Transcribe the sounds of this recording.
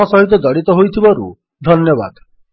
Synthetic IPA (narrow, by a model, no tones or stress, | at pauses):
ɔsɔɦit̪̬ɔd̪ɔɽit̪ɔɦojt̪ʰibɔɾṵ | d̪ʱɔnjɔba̰d̪